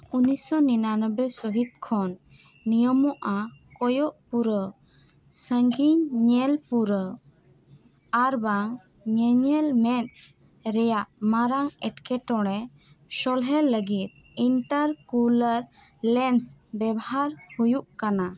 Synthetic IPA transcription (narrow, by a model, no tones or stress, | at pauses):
unisɔninanəbɛsɔɦit̪̚kʰɔnː | ijɔmɔʔakɔjɔʔpuɾə | səŋɡiɲɲɛlpuɾə | aɾbaŋ | ɲɛɲɛlmɛn | ɾɛjaʔmaɾaŋɛʈkɛʈɔɽ̃ɛ | sɔlɦɛlːəɡit̪̚ | iɳʈəɾkuləɾ | lɛnsbɛbɔɦaɾhujuʔkana